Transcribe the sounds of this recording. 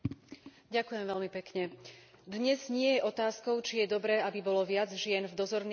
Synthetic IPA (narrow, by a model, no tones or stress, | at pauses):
ɟakujɛmvɛlmipɛkɲɛ | d̪ɲɛzɲɪɛjɛʔɔt̪aːskɔʊt͡ʃijɛd̪ɔbɾɛːabibɔlɔʋɪad͡zʒɪɛnvd̪ɔzɔɾn